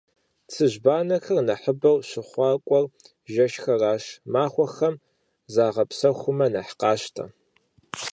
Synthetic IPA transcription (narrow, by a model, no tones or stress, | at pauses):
t͡sʰɨʑbaːnɐxɐrnɐħəbɐwɕɪχʷɑːkʷʼɔr | ʒɐʃxɐraːʃmaːχʷɔxɐm | zaːʁɐpsɐxʷʊmɐnɐħqɑːɕtʰɐ̰